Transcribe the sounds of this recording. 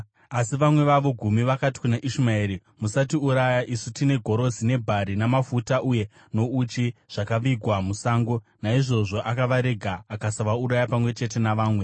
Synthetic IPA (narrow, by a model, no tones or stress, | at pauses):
asiʋamwe̞ʋaʋo̞ɡʱumiʋakati̥kunaʔiʃumaeːɾi | musatiuɾajaʔisutine̞ɡʱo̞ɾo̞d͡zine̞bʱaɾinamafutaʔuje̞ | no̞ut͡ʃiʐ̥akaʋiɡʱwamusaːŋɡo̞naiʐo̞ʐo̞ʔakaʋaɾe̞ɡʱaːkasaʋauɾajapamwe̞t͡ʃe̞te̞naʋaːmwe̞